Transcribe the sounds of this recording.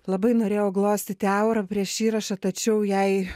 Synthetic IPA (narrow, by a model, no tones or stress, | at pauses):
lˠɐbɐɪnoːɾʲeːjoːɡlˠoːsʲt̪ʲɪt̪ʲɛʊɾɐpʲɾʲiɛʃiːɾɐʃɐt̪ɐt͡ʃʲɛʊjɛɪ